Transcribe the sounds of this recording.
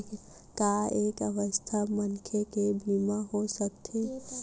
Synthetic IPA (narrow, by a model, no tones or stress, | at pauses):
k | kaekəʋəst̪ʰamənkʰekebʱimaɦosək̚t̪ʰe